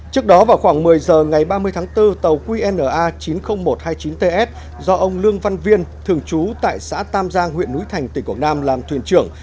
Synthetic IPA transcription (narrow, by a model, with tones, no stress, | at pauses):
t͡ɕɨ˦˥ək̚ɗɔ˨˦vaː˨˩wxwaː˧˩ŋmɨ˨˩əjzəː˨˩ŋa˨˩jɓaː˧mɨ˧əjt̪ʰaː˨˦ŋt̪ɨ˧t̪ə˨˩wkwi˧ʔɛ˧nːəː˧˩ʔaː˧t͡ɕi˨˦nxə˧wŋ͡mmo˨˩t̚haː˧jt͡ɕi˨˦nt̪e˧ʔɛ˦˥t̚ | zɔ˧ʔə˧wŋ͡mlɨ˧əŋva˧nvi˧ənt̪ʰɨ˨˩əŋt͡ɕu˨˦t̪a̰ː˧˨jsa̰ː˧˥t̪aː˧mzaː˧ŋhḭ˧˨ənːṵ˨˧˥jt̪ʰa˨˩jŋ̟t̪i˨˩ku˨˩naː˧mlaː˨˩mt̪ʰwi˨˩ənt͡ɕɨ˧˩əŋ